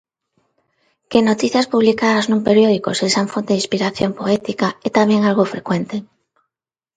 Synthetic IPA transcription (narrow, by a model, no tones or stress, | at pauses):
kenot̪iθjaspuβlikaðaznũmpeɾjoð̞ikosesaɱfont̪eðĩspiɾaθjompoɛt̪ikaɛt̪amjeŋalɣofɾekwent̪e